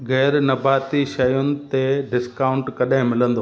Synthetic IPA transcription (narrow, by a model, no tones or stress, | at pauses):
ɣɛːɾnɐbaːt̪iʃɐjʊnɪ̆t̪eɖɪskaːʊ̃ɳʈkɐɗɦɪ̃mɪlə̃nd̪oː